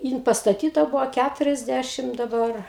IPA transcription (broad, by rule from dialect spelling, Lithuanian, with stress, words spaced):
ˈjɪn pɐstɐˈtʲiːtɐ ˈbʊʋoː ˈkʲætʊrʲɛzʲˌdʲæʃʲɪm dɐˈbɐr